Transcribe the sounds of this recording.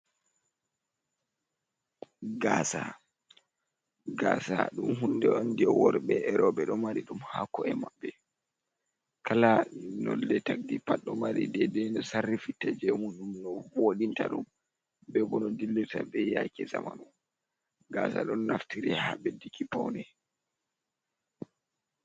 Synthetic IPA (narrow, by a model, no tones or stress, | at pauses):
ɡaːsa | ɡasa̰ɗumɦundɛɔndiɛwɔɾɓɛɛɾɔbɛɗɔmaɾiɗumhakɔɛmabːɛ | kʰalanɔ̰lːɛtak̚dipaɗɔmaɾḭdɛdɛnɔsarːifitːad͡ʒɛmuɗumnɔvoɗinta̰ɗum | bɛbɔnɔdilːitabɛjakɛzama̰nu | ɡaːsa̰ɗɔnnaftiɾɛhaɓɛdikipawnɛ